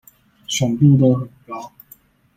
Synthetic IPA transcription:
ʂə˨˩ŋt̪u˥˧t̪o˦˥xə˨˩nkɑ˦ʊ

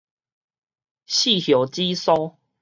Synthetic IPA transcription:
ɕi˥˨hjo˨˩t͡ɕi˦sɔ˦

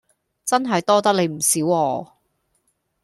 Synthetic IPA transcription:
t͡sɐ˥nɦɐ˨jt̪ɔː˥t̪ɐ˥k̚le˨˧jm̩˨˩siː˨˥wɔː˧

